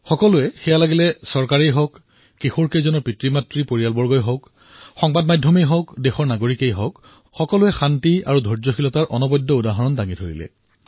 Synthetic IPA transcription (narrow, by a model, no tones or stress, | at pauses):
xɔkɔlʊɛxɛjalaɡilɛsɔɹkaɹejɦɔkː | ixuɹkejzɔnɔɹpɹitɹimatɹipoɹijalbɔɹɡɔjɦɔk | xɔŋbadmajdʱːɔmejɦɔkdexɔɹnaɡoɹikejɦɔk | xɔkɔlʊɛxantia̰ɹudʱɔɹzɔxilɔtaɹʔɔnɔbɔjdʱːɔudaɦɔɹɔndaŋidʱoɹḭlɛ̰